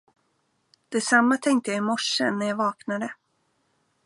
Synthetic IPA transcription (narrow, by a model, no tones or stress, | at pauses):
d̪̥ɛsamːat̪ʰɛŋk̚t̪əjaɪmɔʂənæɾjɑːvɑːknad̪ə